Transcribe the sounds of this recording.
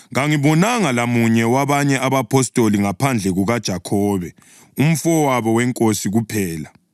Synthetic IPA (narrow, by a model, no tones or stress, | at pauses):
ɣaŋiβɔnaŋalamuɲɛwaβaɲɛʔaβapʰɔstʼoliŋapʰand͡ɮʱɛɣuɣad̥ʒ̥ʱakʰɔːβɛ | um̩fɔwaβɔwɛŋkʼosiɣupʰɛːla